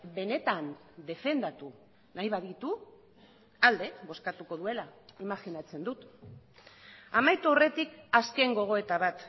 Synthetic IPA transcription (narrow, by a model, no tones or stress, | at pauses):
be̞ne̞t̪and̪e̞fe̞nd̪at̪u | najβ̞aðit̪u | ald̪e̞βo̞skat̪uko̞ðue̞laimaɣinat͡se̞nd̪ut̪ | amajt̪uore̞t̪ikaske̞ŋɡo̞ɣ̞o̞e̞t̪aβat̪